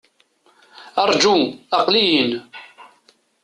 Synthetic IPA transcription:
ɑɾˤd͡ʒuɑqlijən

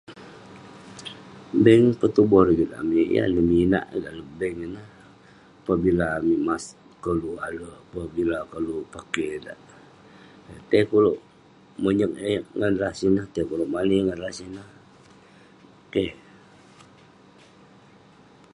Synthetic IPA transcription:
bəŋpət̪ubɔɾɡit̪a̰miʔja̰nəmina̰ʔdaʔləbɛŋənəh | apabilaːmimas | kəlualəapabilakəlupakeda̰ʔ | t̪ekoloʔ | məɲək̚eŋanrasinəht̪ekoloʔmaliŋanrasinəh | ke

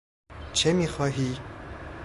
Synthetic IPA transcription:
t͡ʃʰemiːxɒːɦiː

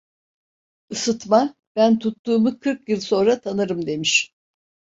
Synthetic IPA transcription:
ɯsɯt̪ma | b̥ænt̪ʰut̪ːuːmukʰɯɾkjɯlˠso̞nɾat̪ʰanɯɾɯmd̪e̞miʃ

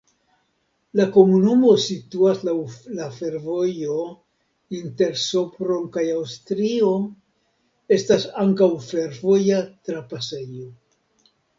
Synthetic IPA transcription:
lako̞munumo̞situaslalafe̞ɾvo̞jo̞ | inte̞ɾsopɾo̞nkajawstɾio̞ | e̞stasaŋkawfe̞ɾvo̞jatɾapase̞jo

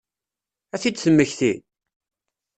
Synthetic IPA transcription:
æθid̪θəmːəçθi

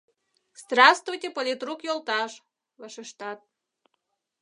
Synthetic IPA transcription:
st̪rɑst̪vujtʲepolʲit̪rukjolˠt̪ɑʃ | vɑʃəʃt̪ɑt̪̚

